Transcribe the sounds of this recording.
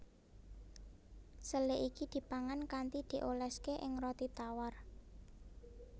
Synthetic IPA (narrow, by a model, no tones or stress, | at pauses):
səleʔikid̪̥i̤paŋankant̪id̪̥i̤ʔolɛskeʔɪŋrɔt̪it̪awar